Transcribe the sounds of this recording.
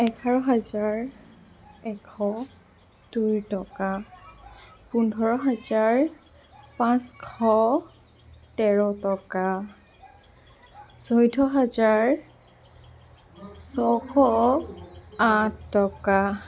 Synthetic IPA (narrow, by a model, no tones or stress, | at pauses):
ɛtʰaɹɔɦazaɹ | ɛkʰɔ | dujtɔka | pundʱɔɹɔɦazaɹ | pãskʰɔ | tɛɹɔtɔka | sɔjtʰɔɦazaɹ | sɔkʰɔ | atʰːɔka